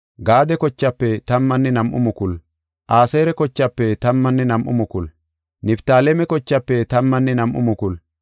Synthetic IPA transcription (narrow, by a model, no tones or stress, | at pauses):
ɡaːd̪ɛkɔt͡ʃːɐpːɛt̪ɐmːɐnːɛnɐmʔʊ̰mʊkʊl | ʔaːseːɾɛkɔt͡ʃːɐpːɛt̪ɐmːɐnːɛnɐmʔʊ̰mʊkʊl | nɪpt̪aːlɛmɛkɔt͡ʃːɐpːɛt̪ɐmːɐnːɛnɐmʔʊ̰mʊkʊl